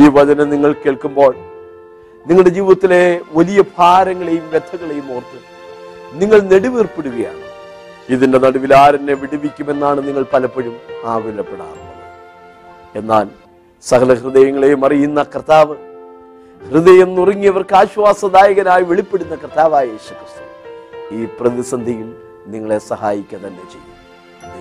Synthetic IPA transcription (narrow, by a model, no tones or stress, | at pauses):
iːʋɐd͡ʑɐneniŋːɐɭkeːɭkumbo̞ːɭ | niŋːɐɭɖe̞d͡ʑiːʋiðɐt̪ːile̞ʋɐlijɐb̥ʱaːɾɐŋːɐɭe̞jumʋed̪ʰʱːɐɣɐɭe̞jumoːrt̪ːum | niŋːɐɭne̞ɽuʋiːrpːeɽuɣɐja̰ːɳɨ | iðinde̞nɐɽɐʋilaːɾɐnːeʋiɽiʋikʲːume̞nːaːɳɨniŋːɐɭpɐlɐpːɐɻumaːɡulɐpːeɽa̰ːr | e̞nːaːl | sɐkɐlɐhrɨðɐjɐŋːɐɭe̞jumɐrijunːɐkrt̪aːʋɨ | hrɨðɐjɐmnːurɐŋːijɐʋɐrkɨaːɕʋaːsɐd̪aːjɐɣɐnaːjiʋe̞ɭipːe̞ɽunːɐkɐrt̪aːʋaːjɐje̞ːsu̥krɨst̪u̥iːprɐðisɐnd̪ʱijil | niŋːɐɭe̞sɐhaːjikʲːɐt̪ɐnːe̞t͡ɕe̞̰jːu